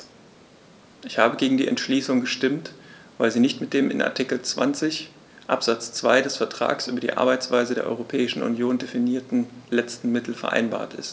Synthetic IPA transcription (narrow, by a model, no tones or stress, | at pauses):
ʔɪçhaːbəɡeːɡŋ̩diːɛ̰ntʃliːsʊŋɡəʃtɪmt | vaɪlziːnɪçtmɪt̚d̥eːmɪ̰nʔa̰ɐtʰɪkl̩t͡sv̥a̰nt͡sɪç | ʔa̰pz̥at͡st͡sv̥aɪdɛsfɛɐtʁ̥a̰ːksʔyːbɐdiːʔa̰ɐbaɪt͡sv̥aɪzədeːɐʔɔ̰ʏʁopʰɛːɪʃn̩ʔṵnjoːndefiniːɐtn̩lɛt͡stn̩mɪtl̩fɛɐʔa̰ɪnba̰ːɐtɪ̰st